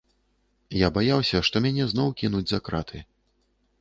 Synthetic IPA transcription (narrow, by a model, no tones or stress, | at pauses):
jabajawsʲɐʂt̪ɔmʲanʲɛznɔwkʲinud͡zʲzakɾat̪ʰɨ